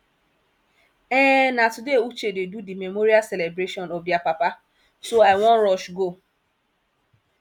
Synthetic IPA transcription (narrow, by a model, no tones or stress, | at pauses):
ɛ̃natudeut͡ʃededudimemoɾiaselebɾeʃɔnɔbjapapa | soaɪwɔ̃nɾɔʃɡo